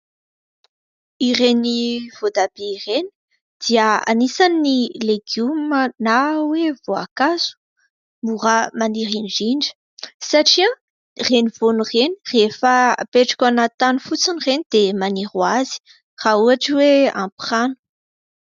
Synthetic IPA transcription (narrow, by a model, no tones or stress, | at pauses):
ireniv̥od̪abeireni̥ | d̪̥iəa̰nisaniːileɡumənawevoa̰kaz̥u̥ | muʁamaniɾind͡ʒiɳɖ͡ʐə̥ | saʈ͡ʂiã | renivonurenirefəpeʈ͡ʂḁkʲanat̪anufut͡sinirenid̪̥emanirwazi̥ | r̥auaʈ͡ʂiwea̰mpχanu̥